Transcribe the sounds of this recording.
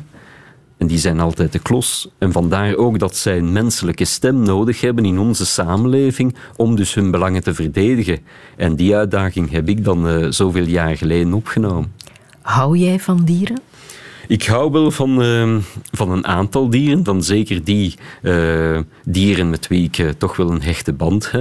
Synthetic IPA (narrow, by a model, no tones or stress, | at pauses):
ɛndizɛjnɑlˠtɛjt̚əklɔsɛnvɑndaːroːɡdɑtsɛjənmɛnsələkəstɛmnoːdəxɦɛbənɪnɔnzəsaːmənleːvɪŋ | ɔmdɵsɦɵnbəlɑŋəntəvərdeːdəɣən | ʔɛndiœɥ̚daːɣɪŋɦɛpɪɡ̚dɑnːz̥oːveːlˠjaːrɣəleːdənɔpxənoːmən | ɦɑwjɛjvɑndiːɾən | ɪkɦɑwʋɛlˠvɑn | vɑnənʔaːntɑlˠdiːrənvɑnzeːkərdiə | diːrənmɛtʋiɪkətɔxʋɛlˠənɦɛxtəbɑnthɛp̚